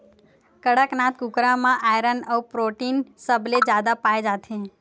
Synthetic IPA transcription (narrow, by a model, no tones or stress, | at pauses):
kəɽəknat̪kukɾamãʔajɾənəupɾoʈinsəbled͡ʒjad̪apaed͡ʒat̪ʰẽ